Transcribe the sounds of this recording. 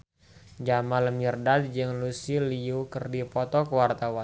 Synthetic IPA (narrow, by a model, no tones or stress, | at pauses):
d͡ʒamaləmərdat̪̚d͡ʒəŋlusiliukərdipɔt̪ɔkəwart̪awan